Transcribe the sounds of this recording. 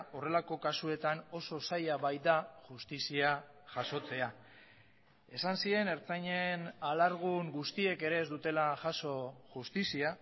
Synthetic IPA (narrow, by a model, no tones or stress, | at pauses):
o̞re̞lako̞kasue̞t̪ano̞so̞sajaβajd̪aʝust̪isiaʝaso̞t͡se̞a | e̞sansie̞ne̞ɾt͡saɲe̞nalaɾɣ̞uŋɡust̪ie̞ke̞ɾe̞ːzd̪ut̪e̞laʝasoʝust̪isia